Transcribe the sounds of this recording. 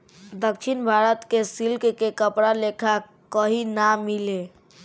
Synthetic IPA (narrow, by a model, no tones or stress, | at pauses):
d̪əkʃʰinbʱaɾət̪kesilkkekəpɽalekʰa | kəɦinamile